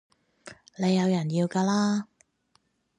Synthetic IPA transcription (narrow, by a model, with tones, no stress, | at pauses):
le˨˧jːɐ˨˧wjɐ˨˩njiː˧wkaː˧laː˥